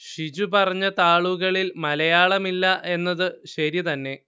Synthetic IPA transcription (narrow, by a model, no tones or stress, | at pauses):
ɕid͡ʑupɐrɐɲːɐt̪aːɭuɣɐɭilmɐlɐjaːɭɐmilːɐʔe̞nːɐðɨɕɐɾit̪ɐnːe̞